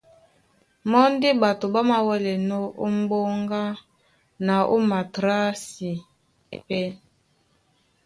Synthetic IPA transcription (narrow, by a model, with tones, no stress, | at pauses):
mɔ˦n˦di˦ba˨to˨ba˦ma˨wɛ˦lɛ˨nɔ˦ʔo˦m˦bo˦ŋɡa˦ | na˨ʔo̰˦ma˨tɾa˦si˨ | pɛ˦